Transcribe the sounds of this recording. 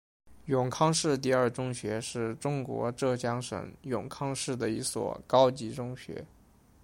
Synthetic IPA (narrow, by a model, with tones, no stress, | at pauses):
jʊ˨˩ŋkʰɑ˥ŋʂɻ̩˥˧t̪̬i˥˧ɐ˞˥˩ʈ͡ʂʊ˥ŋɕɥɛ˧˥ʂɻ̩˥˩ʈ͡ʂʊ˥ŋkwɔ̰˧˥ʈ͡ʂɤ˥˧t͡ɕjɑ˥ŋʂə̰˨˩ŋjʊ˨˩ŋkʰɑ˥ŋʂɻ̩˥˩d̪ə˩i˧˥swɔ̰˨˩kɑ˥ʊt͡ɕi˧˥ʈ͡ʂʊ˥ŋɕɥɛ̰˧˥